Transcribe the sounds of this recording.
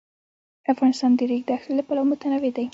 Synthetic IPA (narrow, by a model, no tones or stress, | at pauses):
afɣɑnɪst̪ɑnd̪əɾiɡd̪əaxlelapalawmʊt̪anawed̪aj